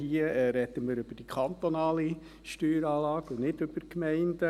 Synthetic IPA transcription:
hiːəɛɾɛd̥̪əməɾʏbəd̥ikʰχɑnt̪onɑːli | ʃtyːɾɑːlɑːɡʊnnɪdʏb̥əɾkmɛɪndə

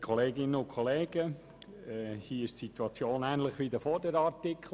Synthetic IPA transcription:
kʰɔleːɡɪnəʊnkʰɔleːɡ̥ə | ɛhiːɪʃtsit̪uɑt͡sjoːnæːnlɪχʋiːd̪əfɔdəɾɑɾtɪkʰl

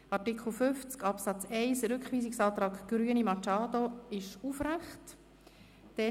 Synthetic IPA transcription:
ɑtikχl̩fʏft͡skɑpsɑt͡sɛɪsɾʏkχʋiːsɪksɑːt̪ɾɑːkɡ̥ɾyənimɑt͡ʃɑːdoɪʃufræχt | d̥ɛ

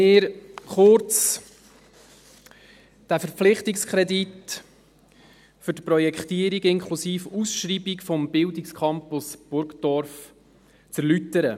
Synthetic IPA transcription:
ɪːɾχʊɾt͡s | d̥æfəɾflɪχtikskʰɾɛdit | fʏɾtpɾɔjɛkχtiəɾiɡɪŋkʰχlusiːfusʃɾiːbikfɔmbɪldikskʰχɑmpʊsb̥ʊɾkdɔɾf | t͡sɛɾlytəɾə

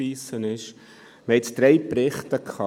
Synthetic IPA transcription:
iːsənɪʃ | məɛtsd̪̥ɾɛɪpɾɪχt̪əkʰχɑ

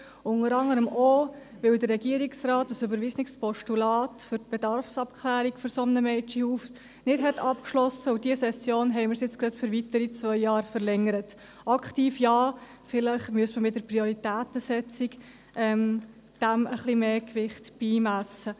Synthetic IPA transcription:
ʊnəɾɑŋəɾəmo | ʋɪldərːɛɡiəɾiksrɑːtːəsybəɾvisnɪkspɔʃtulɑːtfʏɾtb̥ɛdɑɾfsɑp̚kʰlæːɾikfʏɾsɔmnəmɛɪt͡ʃihuːf | nɪtɦɛtʰɑpkʃlɔsəud̥iəsɛsjoːnɦɛɪməɾsjɪt͡sɡɾɑtfʏɾvitəɾit͡svœʏjɑːɾfəɾlɛŋəɾət | ʔɑktiːfjɑː | fɪləχmyəsməmɪtdəɾpriɔɾitæːtəsɛt͡sik | ʔɛm | d̥æməχlimeːkvɪχtb̥iːmæsə

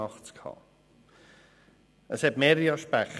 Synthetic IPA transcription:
ɑχt͡skʰhɑ̰ː | əshɛtmeːɾjɑʃpæχ

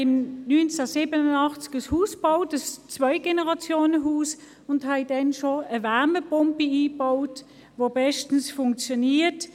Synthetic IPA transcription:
ɪmnynt͡sasiːbənʊnɑχt͡sɪ̥ɡ̥əshuːsb̥aʊtəst͡svœɪɡ̥enəʁɑt͡sjoːnəɦuːs | ʊnthaɪdɛnʃoəvɛɐməpɔmpiiːbaʊt | vobɛʃtn̩sfʊŋk̚t͡sjoniːt

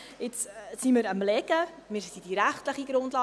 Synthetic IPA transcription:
ɪt͡ssimɪɾəmlɛɡ̥əmɪːɾsid̥iɾæχtləχiɡ̥ɾʊndlɑː

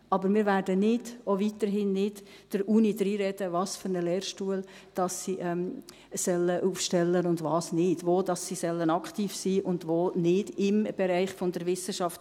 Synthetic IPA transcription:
ʔɑbəɾmɪːɾvæːɾdənɪdovit̪əɾɦɪnːɪd | d̥əɾuːnidɾiːɾɛd̥əvɑːsføɾnəlɛːɾʃtuəl | d̥ɑsːiʔɛm | sɛləʔufʃtɛlːənʊndvɑːsnɪd̥ʋoːd̥ɑsːisɛlːənɑkχtiːfsiːʔʊnd̥ʋoːnɪd̥ɪmb̥ɛɾæɪχfondəɾʋɪsəʃɑft

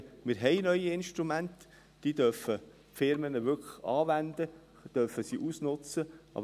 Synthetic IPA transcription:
mɪɾɦɛɪnœʏiɪnʃtɾumænt̪ | d̥iːd̥̪œfə | fɪɾmənəʋʏkʰə̥χɑːʋænd̪ə | d̥œfəsiʔusnʊt͡səʔɑ̰b

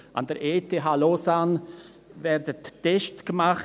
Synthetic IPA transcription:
ʔɑ̰ndəɾʔeːtʰeɦaːlosan | vɛɾdəttːɛʃtɡ̥əmaχ

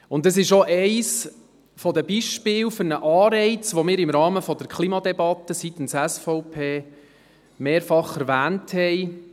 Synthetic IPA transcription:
ʊndəs̬ɪʃɔʔɛɪs | fɔd̪əbiʃpɪːwfʏɾnəʔɑːɾɛɪt͡sʋomɪːɾɪmɾɑːməfɔdəɾkʰlˠiːmɑd̪ɛbɑt̪ːəsit̪n̩sæsfɔʊpʰeː | meːɾfɑχɛɾvæːnthɛɪ

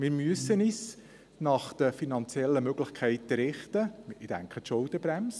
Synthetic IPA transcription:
mɪːɾmyəsːənis | nɑχd̪̥əfinɑnt͡sjɛlːəmøɡlɪχkʰɛɪtːəɾɪχtəɪd̥æ̰ŋkχət̪ʃʊldəbɾæms

